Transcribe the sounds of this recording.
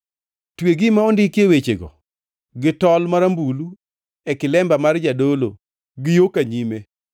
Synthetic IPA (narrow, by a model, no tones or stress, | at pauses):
tweɡimaɔndɪkjewet͡ʃeɡɔ̰ | ɡɪtɔlmaɾambulu | ɛkɪlɛmbamard͡ʒadolo̰ | ɡɪjokaɲime